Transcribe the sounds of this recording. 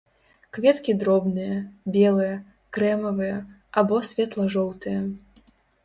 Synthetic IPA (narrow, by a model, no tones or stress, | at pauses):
kvʲɛt̪kʲid̪ɾɔbnɨjɐbʲɛlˠɨjɐ | kɾɛmɐvɨjɐ | abɔsʲvʲɛt̪lˠɐʐɔwt̪ɨjɐ